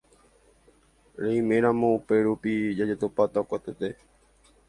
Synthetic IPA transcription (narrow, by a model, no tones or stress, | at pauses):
ɾẽmẽɾ̃ãmõ̞upe̞ɾupid͡ʒad͡ʒet̪opat̪akʷat̪et̪e̞